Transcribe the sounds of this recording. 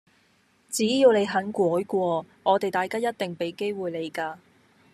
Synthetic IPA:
t͡siː˨˥jiː˧wne˨˧jɦɐ˨˥nkʷɔː˨˥jkʷɔː˧ | ŋɔː˨˧t̪e˨jt̪aː˨˩jkaː˥jɐ˥t̚t̪ɪ˨ŋpe˨˥jke˥jwuː˨jle˨˧jkaː˧

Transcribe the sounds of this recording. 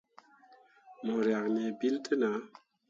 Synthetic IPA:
mɔ˨ɾja˨kne˨bi˦ltʰə˦na˨˦

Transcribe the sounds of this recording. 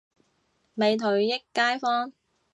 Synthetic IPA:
me˨jt̪ʰɵ˨ɥjɪ˥kːaː˥jfɔː˥ŋ

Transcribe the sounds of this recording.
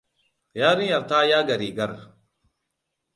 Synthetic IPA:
jaː˦ɾĩː˦ɐ˨ɾt̪ʰaː˦jaː˦ɡɐ˨ɾiː˨ɡɐ˦ɾ

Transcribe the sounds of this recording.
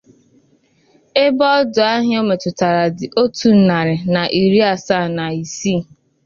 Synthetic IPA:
e˦bɔ˦dʊ˨a˦ɦɪ˦o˦me˨tʊ˨ta˨ɾa˨dɪ˨ʔo˦tu˨n̩˦na˨ɾɪ˨na˨ʔi˨ɾi˦a˨sa˦˨na˨i˨si˦˨

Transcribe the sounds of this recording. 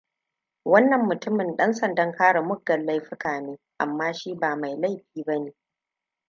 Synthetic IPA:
wɐ˦nːɐ˨mːʊ˨tʊ˦mɪ˨nɗɐ˦nsɐ˨ndɐ˦ŋkaː˦ɽa˨mʊ˦ɡːɐ˨lla˦jɸɪ˦kaː˨neː˦ʔa̰˨mːaː˦ʃiː˦baː˨ma˨jla˦˨jɸiː˨bɐ˦neː˨

